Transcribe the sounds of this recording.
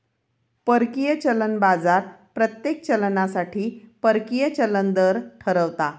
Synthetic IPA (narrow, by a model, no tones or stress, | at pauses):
pəɾkijət͡ɕələnbad͡zaɾpɾət̪jek̚t͡ɕəlnasaʈʰiːpəɾkijət͡ɕələnd̪əɾʈʰəɾəʋt̪a